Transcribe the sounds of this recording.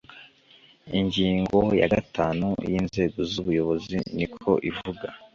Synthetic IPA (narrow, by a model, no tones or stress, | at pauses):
iɲɟiːŋɡo̞jaɡatʰaːnṵjiːnze̞ːɡo̞zuβujo̞βo̞zḭnikʰo̞ʔivuɡa